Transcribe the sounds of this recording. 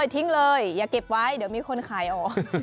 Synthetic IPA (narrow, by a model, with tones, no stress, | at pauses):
jt̪ʰi˦˥ŋlɤː˧jːaː˨˩ke˨˩p̚wa˦˥˩jdi˨˦wmiː˧kʰo˧nkʰaː˩˦jʔɔː˨˩k̚